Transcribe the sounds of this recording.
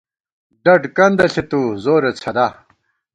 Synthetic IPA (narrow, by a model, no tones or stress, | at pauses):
ɖɐɖkɐnd̪ɐɬet̪uzoːɾet͡sʰɐd̪aː